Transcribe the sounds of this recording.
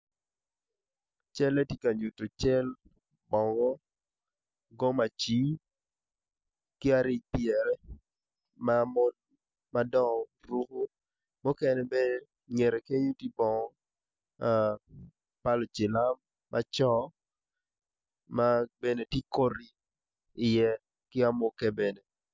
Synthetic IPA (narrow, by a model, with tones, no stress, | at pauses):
t͡ʃɛ˦le˦ti˦ka˨ɲu˨to˨t͡ʃɛ˦l | bɔ˨ŋɔ˦ | ɡɔ˦ma˨t͡ʃi˦ | kɪ˦a˦ɾɪ˦˨pjɛ˨ɾɛ˦ | ma˦mɔ˦ | ma˦dɔ˦ŋɔ˨ɾu˦ko˦ | mʊ˦kɛ˦nɛ˨bɛ˦ | ɲe˨ɾe˨ke˦ɲu˦ti˦bɔ˨ŋɔ˦ | pa˦lɔ˨t͡ʃɪ˨la˦mː | a˦t͡ʃɔ˦ | ma˦be˦ne˨ti˦ko˦ɾi˨ | ɪ˨jɛ˦ | kɪ˦a˦mʊ˦kɛ˦be˨ne˨